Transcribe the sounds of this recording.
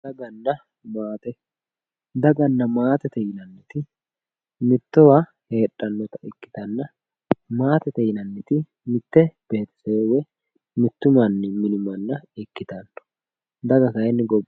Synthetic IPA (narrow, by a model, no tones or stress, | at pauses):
d̪ɐɡɐnːɐ | maːt̪ɛ | d̪ɐɡɐnːɐmaːt̪ɛt̪ɛjɪnɐnːɪt̪ɪ | mɪt̪ːɔwa | he̞ːᶑʼːɐnːɔt̪ɐ̥ɪkːɪ̥t̪ɐnːɐ | maːt̪ɛt̪ɛjɪnɐnːɪt̪ɪ | mɪt̪ːɛb̥e̞ːt̪ɪ̥seːwɛ | mɪt̪ːʊmɐnːɪmɪnʊmɐnːɐɪkːɪt̪ɐnːɔ̥ | d̪ɐɡɐkɐjɛnːɪɡɔb